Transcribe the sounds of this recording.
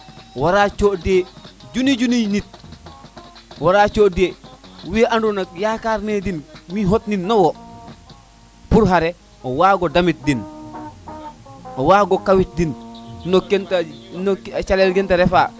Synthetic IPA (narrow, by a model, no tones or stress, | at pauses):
waɾat͡ʃoded͡ʒunid͡ʒuninit̚ | waɾat͡ʃodewiʔandunakjakaɾnedinmiɦotninnowo | puɾɦaɾɛ | owaːɡodamit̚din | owaːɡokawit̚dinnokentankt͡ʃalelɡɛntaɾɛfa